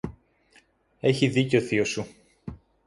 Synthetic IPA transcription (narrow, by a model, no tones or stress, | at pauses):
e̞çiðiceo̞θio̞su